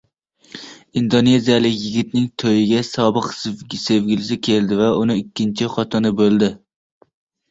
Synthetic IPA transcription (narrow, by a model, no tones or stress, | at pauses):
ind̪one̞zijalɪkʲjɪɡʲɪt̪nɪŋt̪ʰojɪɡʲasɒbɨqsʲsevɡʲɪlɪs̬ɪkʲʰe̞ld̪ɪvaʊnɪɪkʲʰːɪnt͡ʃʰɪχɒt̪ʰɨnɪbɵlˠd̪ɪ